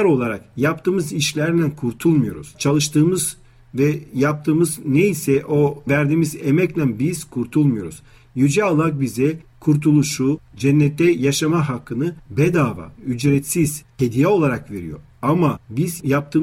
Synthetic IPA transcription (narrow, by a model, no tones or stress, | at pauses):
ɾo̞lˠaɾa̰kjap̚t̪ʰɯːmɯziʃlʲæɾd̪ænkʰuɾt̪ʰulˠmujo̞̰ɾṵz̥t͡ʃʰalˠɯʃt̪ʰɯːmɯz | vɛjap̚t̪ʰɯːmɯznejisɛʔo̞væɾd̪iːmizemɛclʲænbiz̥kʰuɾt̪ʰulˠmujo̞ɾuz̥ | jyd͡ʒɛalˠak̚bizɛkʰuɾt̪ʰulˠuʃud͡ʒɛnːɛt̪ʰːɛjaʃamaɦakʰːɯnɯbɛd̪aːva̰yd͡ʒɾɛt̪siz̥hed̪ijɛo̞lˠaɾakve̞ɾḭjo̞̰ | amabizjap̚t̪ʰɯː